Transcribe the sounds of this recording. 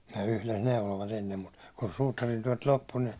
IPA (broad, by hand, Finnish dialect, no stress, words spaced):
ne yhles neuloʋɑt enːem mut kun suːtɑrintyæ̹t lopːu ni